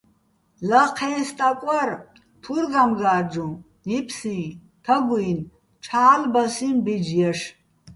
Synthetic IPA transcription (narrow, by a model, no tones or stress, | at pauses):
laqʰɛːst̪ʼakʷʼar | t̪ʰuɾɡamɡaːɾd͡ʒũ | nipʰsĩ | t̪ʰɐɡujn | t͡ʃʰaːlbasinbid͡ʒjɛʂ